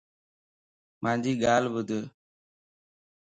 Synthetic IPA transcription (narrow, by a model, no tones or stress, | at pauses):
mãːɲd͡ʑiːɠaːlbʊd̪ʱ